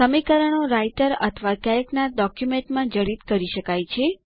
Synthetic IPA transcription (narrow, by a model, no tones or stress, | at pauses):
səmikəɾəɳ̃oɾajʈəɾə̰t̪ʰəʋakɛɾknaɖɔkjumeɳʈmãd͡ʒəɽid̪kəɾiʃəkajt͡ʃʰe